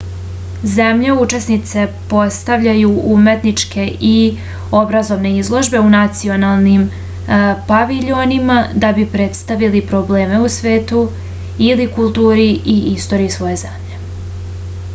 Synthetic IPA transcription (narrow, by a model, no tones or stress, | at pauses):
ze̞mʎeut͡ʃe̞snit̪se̞po̞st̪aʋʎajuume̞t̪nit͡ʃkʰe̞ʔi | o̞bɾazo̞ʋne̞izlˠo̞ʒbe̞unat̪sio̞nalˠnim | paʋiʎo̞nimad̪abipɾet̪st̪aʋilipɾoble̞ːme̞usʋeːt̪u | ilikulˠt̪uːɾiiist̪o̞ɾiisʋo̞je̞zemʎe̞